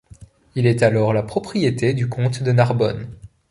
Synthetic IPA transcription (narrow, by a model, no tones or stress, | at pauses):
ilɛt̪alɔʁlapχɔpχijet̪ed̪ykɔ̃t̪d̪ənaʁbɔ̰n